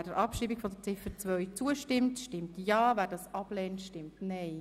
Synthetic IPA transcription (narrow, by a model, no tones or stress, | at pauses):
dəɾʔɑpʃiːbikfɔd̪ət͡sɪfət͡svœʏt͡suəʃtɪmtʃtɪmtjɑːvæːɾdɑsɑb̥lɛːntʃtɪmtnɛɪ